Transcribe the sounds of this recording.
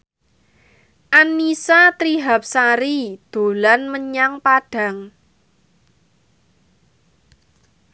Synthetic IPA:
ʔanːisat̪ɾiɦap̚saɾid̪̥o̤lanməɲaŋpaɖ̥a̤ŋ

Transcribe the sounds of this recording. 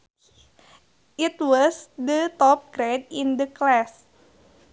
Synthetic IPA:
ʔit̪wɔsdət̪ɔp̚ɡɾedĩnd̪əklas

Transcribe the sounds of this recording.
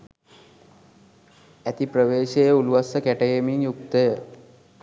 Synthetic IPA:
æt̪iprəʋeːʃejəuluʋasəkæʈejemiŋjuk̚t̪əjə

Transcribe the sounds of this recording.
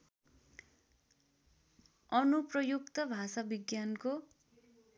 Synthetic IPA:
ʌnuprʌjukt̪ʌbʱasabiɡjanko

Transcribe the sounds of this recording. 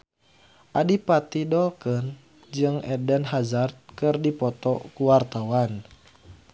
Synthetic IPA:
ʔadipat̪idɔlkən | d͡ʒɨŋɛdənɦazart̪̚kɨrdipɔt̪ɔkuwart̪awan

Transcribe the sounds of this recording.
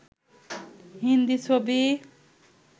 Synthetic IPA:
ɦind̪isʰobi

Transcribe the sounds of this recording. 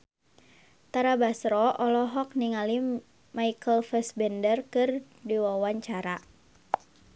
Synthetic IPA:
t̪aɾabasɾɔʔɔlɔɦɔk̚niŋali | maikəlfɛsbɛndərkɨr | diwawaɲt͡ʃaɾa

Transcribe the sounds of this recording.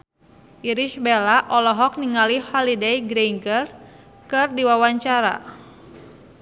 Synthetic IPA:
ʔiɾiʃbelaʔɔlɔɦɔk̚niŋalihɔlidɛjɡɾeiŋɡər | kɨrdiwawaɲt͡ʃaɾa̰

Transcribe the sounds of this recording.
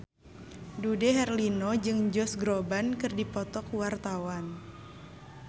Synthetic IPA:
dudɛɦɛrlinɔd͡ʒɨŋd͡ʒɔsɡɾobankɨrdipɔt̪ɔkwart̪awan

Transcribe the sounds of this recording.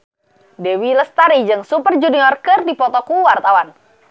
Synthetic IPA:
dɛwiləst̪aɾid͡ʒɨŋsupərd͡ʒuniɔrkərdipɔt̪ɔkuwart̪awan

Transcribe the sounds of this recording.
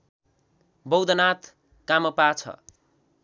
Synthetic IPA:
bʌwd̪ʌnat̪ʰ | kamʌpat͡sʰʌ̰

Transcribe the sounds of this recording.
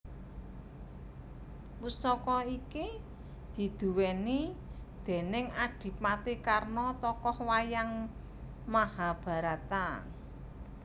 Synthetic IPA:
pusɔkɔiki | d̪̥i̤d̪̥ṳwɛni | d̪̥e̤nɪŋad̥i̤p̚mat̪ikarnɔt̪ɔkɔhwajaŋ | mahab̥ä̤ɾat̪a

